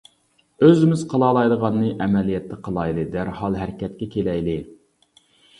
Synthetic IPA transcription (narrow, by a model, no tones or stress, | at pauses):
øzɪmɪz̥qʰəlˠɑːlˠɑjlˠəʁɑnːɨʔɛmɛlijɛt̪ʰːɪqʰəlˠɑjlˠɨd̪æɾhɑlˠɦæɾkʲɛt̪̚kʲɛkʲʰelɛjlɪ